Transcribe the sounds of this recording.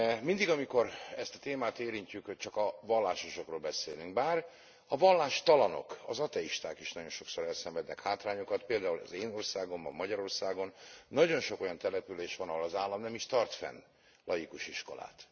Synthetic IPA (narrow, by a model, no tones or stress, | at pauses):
mind̪iɡɒmiko̞ɾɛst̪ɒ̥t̪eːmaːt̪eːɾiɲcykt͡ʃɒkɒvɒlːaːʃo̞ʃo̞kroːlbɛseːlyŋɡ̚baːr | ɒvɒlːaːʃt̪ɒlɒno̞̰kɒ̰zɒt̪ɛiʃt̪aːkiʃnɒɟo̞nʃo̞ksoɾɛlsɛɱvɛd̪nɛkhaːt̪raːɲokɒt̪peːld̪aːulɒ̰zeːno̞rsaːɡo̞mbɒ̰mːɒɟɒɾo̞rsaːɡo̞nːɒɟo̞nʃo̞ko̞jɒnt̪ɛlɛpyleːʃʋɒnɒɦolɒzaːlːɒmnɛmiʃt̪ɒrt̪fɛ̰n | lɒjikuʃiʃko̞̰la̰ːt̪